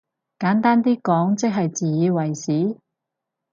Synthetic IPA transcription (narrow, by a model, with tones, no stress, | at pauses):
kaː˨˥nt̪aː˥nt̪iː˥kɔː˨˥ŋt͡sɪ˥k̚ɦɐ˨jt͡siː˨˩jiː˨˧wɐ˨˩jsiː˨˥